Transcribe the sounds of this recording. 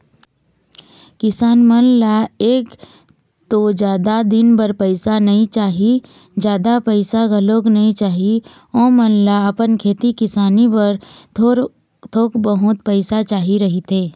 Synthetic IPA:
kɪsaːnmənlaeːk | t̪od͡ʒjaːd̪ad̪ɪnbəɾpəɪsanɐɦĩt͡ʃaːɦi | d͡ʒjaːd̪apəɪsaɡʱɐloːɡnɐɦĩt͡ʃaːɦi | õːmənlaɐpənkʰeːt̪ikɪsaːnibɐɾt̪oɾ | t̪ʰoːkbəɦʊt̪̚pəɪsat͡ʃaːɦiɾɐɦit̪ʰeː

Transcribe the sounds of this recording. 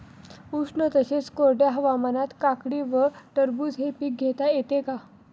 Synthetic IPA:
uʂɳət̪əɕet͡skoɾɖjaɦəʋamanat̪kakɽiʋəʈəɾbuːd͡zɦepiːk̚ɡʱet̪ajet̪eka

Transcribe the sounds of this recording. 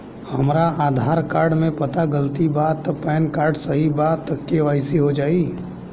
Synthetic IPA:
hɐmɾaʔaːd̪ʱaːɾkaːɾɖmẽpɐt̪aɡəlt̪ibaːt̪pɛːnkaːɾɖsɐɦibaːt̪ːɐkːeʋaːɪsiɦod͡ʒaːiː

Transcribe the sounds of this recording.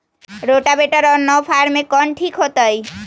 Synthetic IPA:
ɾoʈabeʈəɾɔnɔpʰaɾmẽkɔɳʈʰikɦot̪ɔj

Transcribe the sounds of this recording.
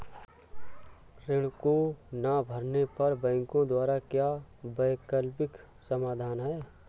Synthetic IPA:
ɾɪɽkonabʱəɾnepɐɾbɛ̃ːŋkõd̪waːɾakjaːbəɪkəlpɪk | səmaːd̪ʱaːnɦɛː

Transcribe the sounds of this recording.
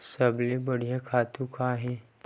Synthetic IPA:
səblebɐɽijãkʰaːt̪ũkʰaːɦɛ̃ː

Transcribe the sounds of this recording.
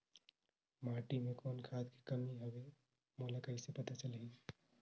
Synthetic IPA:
maːʈimẽkoːnkʰaːd̪ki̥kɐmiɦɐʋe | moːlakɐɪsepɐt̪at͡ʃɐli

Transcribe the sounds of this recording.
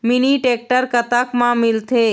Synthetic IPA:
miniʈeːk̚ʈəɾkət̪əkmãmɪlt̪ʰe

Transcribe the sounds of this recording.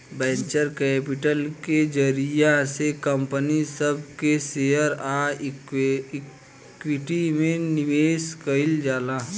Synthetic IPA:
bɛ̃ːɲt͡ʃəɾkeːpɪʈəlked͡ʒəɾijasekəmpənisəb̚kesejəɾa | kwɪʈimẽnɪʋeːskəɪld͡ʒaːlaː

